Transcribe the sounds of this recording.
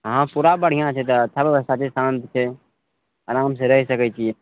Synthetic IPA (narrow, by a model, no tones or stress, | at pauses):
ɦãpuɾabəɽ̤ijãt͡ʃʰɛt̪ɔt̪ʰːabeʋəst̪at͡ʃesãnt̪t͡ʃʰɛ | aɾaːmsẽɾəɦisəkɛt͡ʃʰie